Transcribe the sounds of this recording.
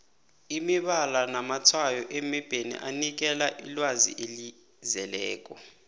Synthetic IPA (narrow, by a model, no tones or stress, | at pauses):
imiɓalanamatʰwajɔʔemib̥ʱenḭʔanik̬ɛlaʔilwazḭʔeli | zɛlɛːk̬ʼɔ